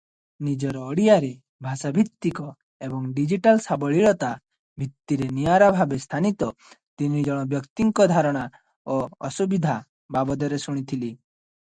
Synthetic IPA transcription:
nid͡ʒɔɾɔːɽijaɾe | bʱasabʱit̪ːikɔ | ebɔŋɖid͡ʒiʈalsabɔɭiɭɔt̪a | bʱit̪ːiɾenijaɾabʱabest̪ʰanit̪ɔ | t̪inid͡ʒɔɽ̃ɔbjɔkt̪iŋkɔd̪ʱaɾɔɽ̃a | oɔsubid̪ʱa | babɔd̪ɔɾesuɽ̃it̪ʰili

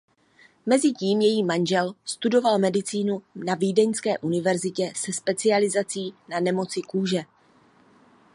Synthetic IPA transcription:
mɛzɪciːmjɛjiːmanʒɛlst̪udo̞valmɛdɪt͡siːnunaviːdɛɲskɛːʔunɪvɛɾzɪcɛsɛspɛt͡sɪalɪzat͡siːnanɛmo̞t͡sɪkuːʒɛ

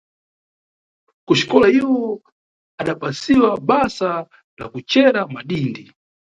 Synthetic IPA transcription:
kuʃi̥kɔlaiwɔ | aɗapasiwaɓasa | la̰kut͡ʃɛɾamaɗiːndi

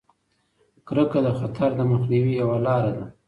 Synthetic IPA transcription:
kɾəkad̪əxat̪ʰaɾd̪əməxniwijawalɑɾad̪a

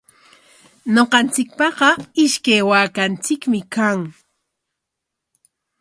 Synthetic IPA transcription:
noqɑnt͡sɪk̚pɑqɑɪʃkajwaːkant͡sɪkmɪkaŋ

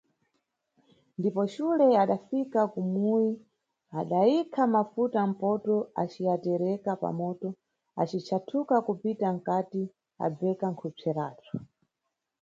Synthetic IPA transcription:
ndipɔʃulɛaɗafikakumuji | aɗaikʰamafutam̩pɔtɔat͡ʃiatɛɾɛkapa̰mɔːtɔ | a̰t͡ʃit͡ʃʰatʰukakupitaŋ̩kati | a̰bɛkaŋkʰub͡ʐʰɛɾaːt͡sɔ

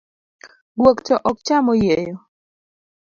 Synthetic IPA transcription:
ɡwokt͡ʃɔʔɔk̚t͡ʃamɔjejɔ

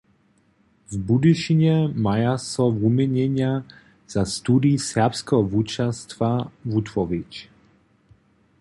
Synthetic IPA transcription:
vbud̪iʃiɲɛmajasɔvumɛɲɛɲja | z̥ast̪ud̪isɛʁpskɛɦɔvut͡ʃast̪vavut̪vɔvit͡ʃ

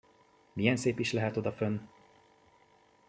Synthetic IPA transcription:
mijɛnseːpiʃlɛɦɛt̪o̞d̪ɒfønː

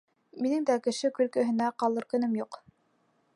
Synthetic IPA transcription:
minɘŋd̪ækɘ̆ʃɘkɵ̆lkɵ̆ɦɘ̆næqɑlˠɤ̆ɾkɵ̆nɘmjuq

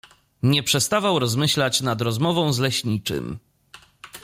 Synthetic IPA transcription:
ɲɛpʂɛst̪avawɾɔzmɘɕlat͡ɕnad̪ɾɔzmɔvɔ̃w̃zlɛɕɲit͡ʂɘ̰m

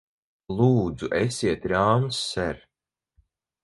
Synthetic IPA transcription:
lˠuːd̪zuʔɛsʲiɛt̪ɾaːmsːɛɾ

